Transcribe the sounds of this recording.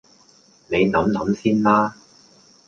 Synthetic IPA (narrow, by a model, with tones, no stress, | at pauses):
ne˨˧jnɐ˨˥mnɐ˨˥msiː˥nmaː˥